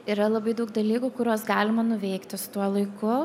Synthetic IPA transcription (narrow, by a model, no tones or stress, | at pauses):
iːɾɐlˠɐbɐɪd̪ɐʊkd̪ɐlʲiːkʊkʊɾʲoːsɡɑːlʲɪmɐnʊʋʲɛɪkt̪ʲɪsʊ̥t̪uɔlˠɐɪkʊ